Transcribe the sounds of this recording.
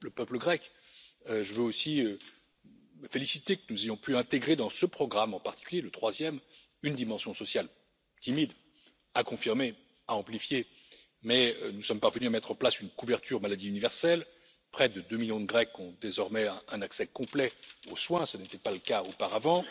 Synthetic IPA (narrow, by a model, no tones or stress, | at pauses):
ləpœpləɡʁɛk | øʒəvøosiø | məfelisit̪ekənuzejɔ̃pyɛ̃t̪eɡʁed̪ɑ̃səpχɔɡʁamɑ̃paʁt̪i̥kʲyljelət̪χwazjɛm | ynd̪imɑ̃sjɔ̃sɔsjal | t̪imid̪ | akɔ̃fiʁme | aɑ̃plifje | mɛønusɔmpaʁvənyamɛt̪χɑ̃plasynkuvɛʁt̪ʰyʁmalad̪iynivɛʁsɛl | pχɛd̪əd̪ømiljɔ̃d̪əɡʁɛkɔ̃d̪ezɔʁmɛɛ̃naksɛkɔ̃plɛo̰swɛ̃sənet̪ɛpaləkaopaʁavɑ̃